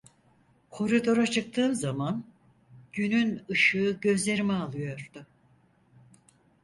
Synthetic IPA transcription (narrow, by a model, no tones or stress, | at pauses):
kʰo̞ɾid̪o̞ɾat͡ʃʰɯk̚t̪ʰɯːmzaman | ɟynynɯʃɯːɟø̞zlʲe̞ɾimɛalˠɯjo̞ɾd̪ʊ